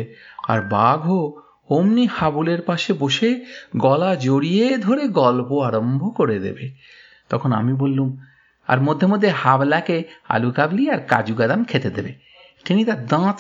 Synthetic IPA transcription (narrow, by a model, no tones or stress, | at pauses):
a̰ɾbaɡʱo | omnihabuleɾpaʃeboʃeɡɔlad͡ʑoɾijed̪ʱoɾeɡɔlpoaɾombʱokoɾed̪ḛbe | t̪ɔkʰona̰mibolːum | a̰ɾmod̪ʱːeɾmod̪ʱːehablakea̰lukabliaɾka̰d͡ʑuɡad̪amkʰet̪ed̪ebe | kenit̪aɾd̪ãt̪